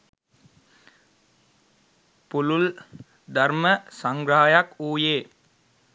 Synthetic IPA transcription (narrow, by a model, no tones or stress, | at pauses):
pulul | d̪aɾməsaŋɡɾaɦajakuːjeː